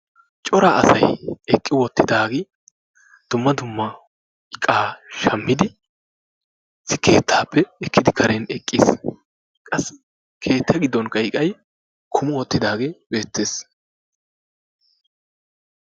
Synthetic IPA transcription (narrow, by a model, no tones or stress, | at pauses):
t͡ʃʼɔɾɐʔɐsɐ̰jɛkʼːɪwɔt̪ːɪd̪aːɡɪ | d̪̥ʊmːɐd̪ʊmːɐ | ɪkʼːaːʃɐmːɪd̪ɪ | sɪke̞ːt̪ʰːaːpʰːɛɛkːɪd̪ɪkʰɐɾenɛkʼːɪ̰ːs | kʼɐs | kʰe̞ːt̪ʰːɐɡɪd̪ːɔnkʼɐjkʼɐj | kʰʊmʊwɔt̪ːɪd̪aːɡeːbe̞ːt̪ːe̞ːs